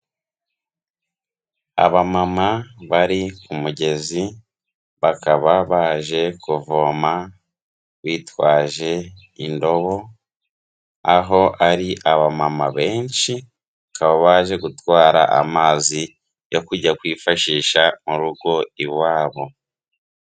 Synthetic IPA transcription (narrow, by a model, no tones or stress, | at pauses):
a̰βamamaβaɾikumuɟe̞zi | βakaβaβaːʒe̞kuvoːma | βiːtwaːʒe̞ | indo̞βo̞ | aɦo̞aɾiʔaβamamaβe̞ːnʃi | kaβaβaːʒe̞ɡutwaːɾa̰ʔa̰maːzi | jo̞kuɾɟakwiːfaʃiːʃamuɾuɡo̞iwaːβo̞